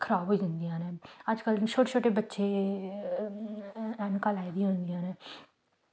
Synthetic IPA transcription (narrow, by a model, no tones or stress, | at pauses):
kʰəɾaːbɦoiːd̪ɪnd̪ijãːnẽːəd͡ʒkəlt͡ʃʰoːʈet͡ʃʰoːʈeːbətːʃeː | ɛːnkaːlaːid̪iɦʊ̃nd̪ɪjãːneː